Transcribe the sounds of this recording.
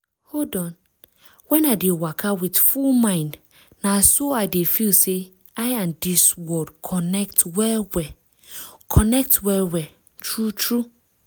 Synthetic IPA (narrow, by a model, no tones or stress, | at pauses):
holdɔ̃n | wɛ̃nadewakʰawitfulmãɪ̃nd | nasoaɪdefilse | aɪãmdiswɔdkʰɔnɛktwɛlwɛ | kʰɔnɛk̚twɛlwɛ | tɹutɹu